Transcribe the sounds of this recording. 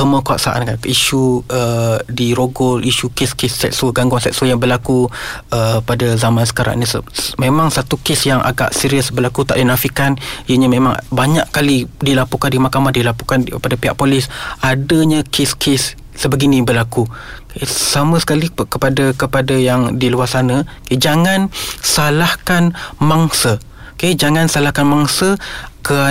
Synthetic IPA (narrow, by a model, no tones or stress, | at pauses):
əməkuaʔsaʔa̰nkaniʃuədiɾoɡɔlʔiʃukeskesːɛk̚swəɡaŋɡwaŋsɛk̚swəjabəlaku | əpadazamansə̥kaɾa̰ŋnisəmẽmãŋsat̪ukesjaŋʔa̰ɡa̰ʔsiɾiəsbəlakut̪a̰ʔdinafikaniəɲəmẽmãŋbaɲaʔkːalidilapukandimahkamahdilapukankəpadapiɦaʔpolɪsadəɲakʰɪskʰɪsː | əbəɡinibəlaku | kesaməsə̥kalikəpadakəpadajaŋdiluasanəked͡ʒaŋansalahkanmaŋsə | ked͡ʒaŋansalahkanmaŋsəkə